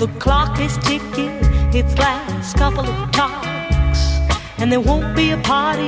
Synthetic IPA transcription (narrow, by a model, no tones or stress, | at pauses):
ðəkʰl̥ɑkɪz̥tʰɪkjɨtɪtslaɪkskʰʌpl̩ˠʌv̥tʰɑks | ɨ̃nðə˞wõʊ̃n̚b̥iɨpʰɑɹɾi